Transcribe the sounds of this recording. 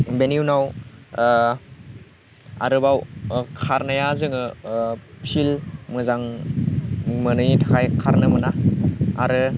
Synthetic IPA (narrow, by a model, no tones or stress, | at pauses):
beniwnaw | a̰ɾɯbawkʰaɾnajazɯŋɯ | pʰilmɯzaŋ | mɯnɯjitʰaajkʰaɾnɯmɯnaa̰ɾɯ